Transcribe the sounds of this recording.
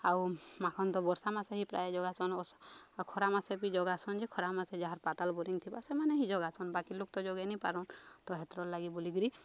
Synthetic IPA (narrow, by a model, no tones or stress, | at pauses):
awmakʰɔnt̪ɔbɔɾsamaseɦipɾa̰jed͡ʒɔɡasɔnɔskʰɔɾamasepid͡ʒɔɡasɔnd͡ʒekʰɔɾamased͡ʒaɦaɾpat̪albɔɾiŋt̪ʰibasemaneɦid͡ʒɔɡasɔnbakilok̚t̪ɔd͡ʒɔɡɛnipaɾɔnt̪ɔɦet̪ɾɔllaɡibɔliɡɾi